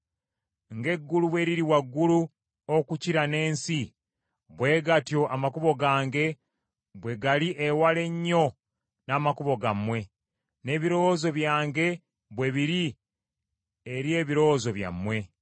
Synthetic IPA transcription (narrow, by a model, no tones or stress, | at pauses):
ŋɡe̞ɡːuluβwe̞ɾiɾiwaɡːulu | okuciɾane̞ːnsi | βwe̞ːɡatjo̞ʔamakuβo̞ɡaːŋɡe̞ | βwe̞ɡaliʔewale̞ɲːo̞ | naːmakuβo̞ɡamwe̞ | ne̞ːβiɾo̞ozo̞βjaːŋɡe̞ | βwe̞βiɾi | eɾje̞ːβiɾo̞wzo̞βja̰mːwe̞